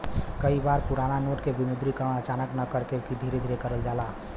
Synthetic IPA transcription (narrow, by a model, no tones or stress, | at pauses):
kəibaɾpuɾananoʈkebinud̪ɾikəɾəɽ̃ət͡ʃanəknəkəɾkekid̪ʱiɾed̪ʱiɾekəɾəld͡ʒaːla